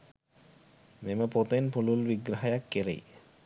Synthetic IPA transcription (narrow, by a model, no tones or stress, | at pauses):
meməpot̪enpululbiɡɾaɦajakːeɾḛj